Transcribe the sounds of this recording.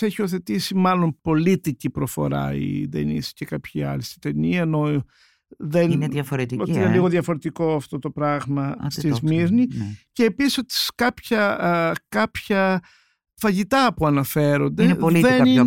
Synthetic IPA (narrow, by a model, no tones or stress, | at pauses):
eçio̞θe̞t̪isimɐlo̞mpo̞lit̪icipɾofo̞̰ɾɐ̰ḭd̪ḛnḭscekɐpçiɐ̰list̪i̥t̪e̞niɐeno | ðenɐfoɾt̪ot̪iineliɣoðjɐfo̞ɾe̞t̪iko̞ɐft̪o̞t̪o̞pɾɐɣmɐst̪izmiɾniceːpisisot̪i̥skɐpçɐkɐpçɐ | fɐʝit̪ɐpuɐnɐfe̞ɾo̞nd̪eliðeni